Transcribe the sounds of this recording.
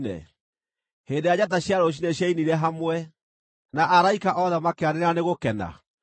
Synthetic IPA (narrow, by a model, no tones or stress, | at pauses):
nɛ̰ | heːndejad͡ʑat̬aɕjaɾoɕ̬inɛɕjainiɾɛɦamwɛ | naʔaɾaikaʔɔðɛmakeaɾeeɾaneɣokɛna̰